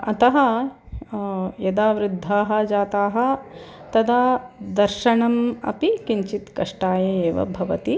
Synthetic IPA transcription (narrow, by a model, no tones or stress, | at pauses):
ɐt̪ɐɦɐ | jɐd̪aːʋɾɪd̪ʱːaːɦɐ̆d͡ʒaːt̪aːɦɐ̆t̪ɐd̪aːd̪ɐɾʃɐɳɐmɐ̰pikiɲt͡ʃit̪kɐʂʈaːjɐeːʋɐ̰bʱɐʋɐt̪i